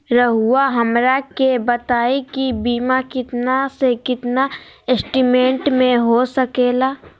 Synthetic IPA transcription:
ɾəɦʊaɦɐmɾakebɐt̪aːikibiːmakɪt̪nasekɪt̪naɪsʈimẽːɳʈmẽɦosəkeːlaː

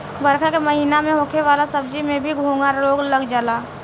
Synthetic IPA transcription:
bəɾkʰkeməɦiːnamẽɦokʰeʋaːlasəb̚d͡ʒimẽbʱiɡʱũŋɡaɾloːɡləɡd͡ʒəlaː

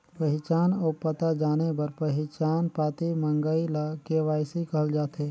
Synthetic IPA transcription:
pəɦɪt͡ʃaːnɔːpət̪ad͡ʒaːnebɐɾpəɦɪt͡ʃaːnpaːt̪imə̃ŋɡəilakeʋaːsikəɦəld͡ʒaːt̪eː

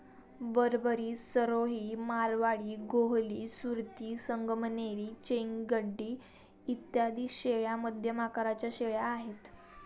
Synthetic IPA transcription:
bəɾbəɾiːsəɾoɦiːmaɾʋaɽiːɡoɦliːsuɾt̪iːsəŋɡʱmneɾiːt͡ɕeŋɡɡəɖːiː | it̪jad̪iːsɕeɭjaməd̪ʱjəmakaɾat͡ɕjaɕeɭjaːɦet̪

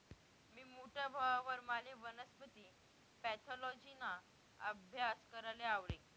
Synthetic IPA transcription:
miːmoʈʰjabʱaʋaʋəɾmaleʋənəspət̪iː | pɛt̪ʰɔlɔd͡ʑina | əbʱjaskəɾaleaʋlḛ

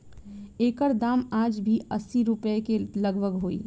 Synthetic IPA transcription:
eːkəɾd̪aːmaːd͡ʒbʱiəsːiɾʊpəekeləɡbʱəɡɦoːḭː

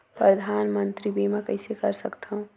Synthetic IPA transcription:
pɾəd̪ʱaːnmə̃nt̪ɾibʱimɛkɐɪsekɐɾsəkt̪aɦũ

